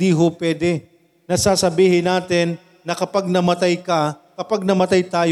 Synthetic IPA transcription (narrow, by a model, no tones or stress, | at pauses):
d̪iːɦopwɛːd̪ɛ | nɐsaːsɐbiːhɪnaːt̪ɪnː | ɐkɐpaɡ̚nɐmɐt̪ajkɐkɐpaɡ̚nɐmɐt̪ajt̪aːj